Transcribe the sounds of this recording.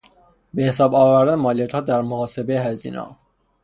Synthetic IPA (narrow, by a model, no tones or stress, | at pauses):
be̞hes̬ɒːbɒːvæɾd̪ænemɒːlijæt̪hɒːd̪æɾmohɒːse̞beeɦæzḭːnɒ̰ː